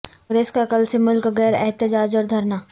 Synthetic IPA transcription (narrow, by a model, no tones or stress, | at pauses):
ɾeːskaɐkəlsemʊlkɣɛːɾɛɦt̪ɪd͡ʒaːd͡ʒɔːɾd̪ʱɐɾnaː